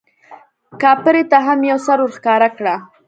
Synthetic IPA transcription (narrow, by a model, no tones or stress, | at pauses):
kɑpəɾet̪aɦamjawsaɾuɾxkɑɾakɽa